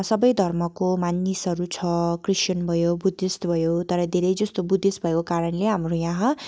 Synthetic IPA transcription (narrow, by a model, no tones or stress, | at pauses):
sʌbʌjd̪ʱʌrmʌkomanːisʌɾut͡sʰʌkrisʌnbʱʌjobud̪ʱːist̪bʱʌjot̪ʌɾʌd̪ʱeɾʌjd͡zʌst̪obud̪ʱisbʱʌekokaɾʌnleɦamrojãɦã